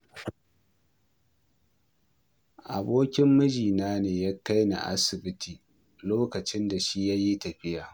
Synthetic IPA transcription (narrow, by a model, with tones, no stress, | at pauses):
ʔa˨boː˦kʲɪ˦mːʊ˦d͡ʒiː˨naː˦neː˨ja˦ka˦jna̰˨ʔa̰˦sɪ˨bɪ˦tʰiː˨ | loː˦kɐ˨t͡ʃɪ˦nda˨ʃi˦ja˦ji˦tɐ˨ɸɪ˦jaː˨